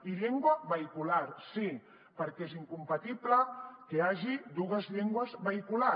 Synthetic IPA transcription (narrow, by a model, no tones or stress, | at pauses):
iʎeŋɡwaβeikulaɾsi | paɾkesiŋkumpat̪iβlakeaʒid̪uɣɐzʎiŋɡwazβeikula